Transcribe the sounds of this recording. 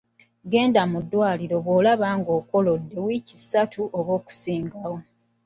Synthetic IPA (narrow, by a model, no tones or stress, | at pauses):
ɡe̞ːndamudːwaːliɾo̞βwoːlaβaːŋɡoːko̞lo̞dːe̞wiːcisatʰuʔoβoːku̥siːŋɡawo̞